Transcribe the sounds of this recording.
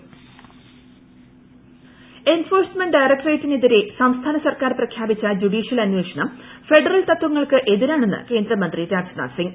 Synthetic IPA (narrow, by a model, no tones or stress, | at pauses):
e̞nfo̞ːrsmeɳɖɖɐjrɐk̚ʈreːtːineðiɾesɐmst̪ʰaːnɐsɐrkaːɾprɐkʰjaːbit͡ɕːɐd͡ʑuɖiːɕijɐlɐnweːʂɐɳɐmfe̞ɖɐrɐlt̪ɐt̪ːwʋɐŋːɐɭkɨʔe̞ðiɾaːɳe̞nːɨ̰ke̞ːnd̪ɾɐmɐnd̪riɾaːksna̰ːsiŋɡ